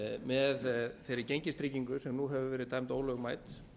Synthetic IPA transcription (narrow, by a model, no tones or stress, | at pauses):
mɛðθejɾɪcejɲcɪst̪ɾiːciŋkʏsɛmnuɦɛvʏvɛːɾɪðt̪ʰaːjmt̪oːwlœɣmaːjt̪